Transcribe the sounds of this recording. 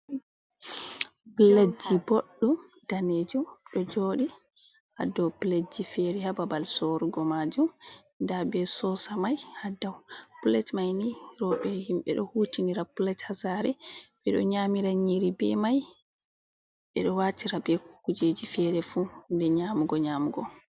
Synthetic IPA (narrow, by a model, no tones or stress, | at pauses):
piled͡ʒiboɗːumd̥aned͡ʒumɗɔd͡ʒoɗi | ha̰dɔwpiled͡ʒifɛɾɛhababalsoɾuɡɔmad͡ʒum | ndabɛsɔsamajhadawpulɛtmajniɾɔɓɛhimɓɛ̰ɗɔhutiniɾapulɛthasaɾɛɓɛɗɔ̰ɲamiɾaɲiɾibɛ̰maj | ɓɛ̰ɗɔwatiɾabɛkkud͡ʒed͡ʒifɛɾɛfundɛɲaːmuɡɔɲamuɡɔ̰